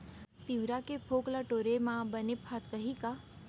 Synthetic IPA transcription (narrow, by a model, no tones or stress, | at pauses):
t̪iʋɾakepʰoklaʈoɾemãbənephat̪kəɦika